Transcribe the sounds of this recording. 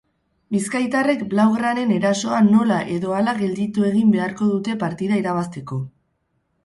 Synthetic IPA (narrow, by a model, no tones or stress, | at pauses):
biskajt̪are̞kblawɣɾaɾe̞ne̞ɾaso̞ano̞laʔe̞ðo̞alaɣe̞ld̪it̪ue̞ɣimbe̞aɾko̞ðut̪e̞paɾt̪iðaiɾaβ̞ast̪e̞ko̞